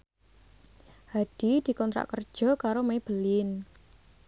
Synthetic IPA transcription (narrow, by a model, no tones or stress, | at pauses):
had̪̥i̤d̪̥i̤kɔnt̪ɾa̰ʔkərd̥ʒ̥ɔ̤kaɾomeb̥əlɪn